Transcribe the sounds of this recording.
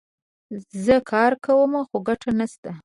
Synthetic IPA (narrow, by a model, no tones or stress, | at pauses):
zəkʰɑɾkawəmaxoɡaʈanast̪a